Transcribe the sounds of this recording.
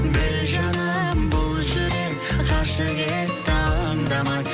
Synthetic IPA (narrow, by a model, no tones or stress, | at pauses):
bɪɾʒɑnəbʊlˠʒeɾe | qʰɑʃəɡʲet̪ʰɑŋd̪ɑmɑ